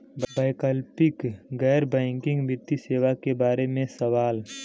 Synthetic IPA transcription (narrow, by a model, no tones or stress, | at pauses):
baːɪkəlpɪkɡɛːɾbɛ̃ːŋkɪ̃ŋɡʋɪt̪ːiseːʋakebaːɾemẽsɐʋaːl